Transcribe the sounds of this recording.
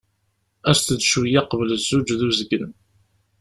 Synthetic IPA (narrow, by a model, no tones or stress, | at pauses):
æst̪əd̪ʃujaqəvələzːud͡ʒðuzɡən